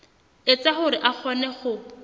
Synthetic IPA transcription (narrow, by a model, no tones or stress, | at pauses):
et͡saχʊɾɪʔak͡xʰɔnɛχʊ